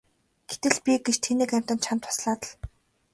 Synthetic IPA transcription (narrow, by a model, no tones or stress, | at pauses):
ɡ̥et̪ɘ̆ɮpʲiɡet͡ɕt̪ʰeniːkæm̥ʲt̪ə̆nt͡ɕʰam̥t̪ʰʊ̥sɮaːt̪ə̆ɮ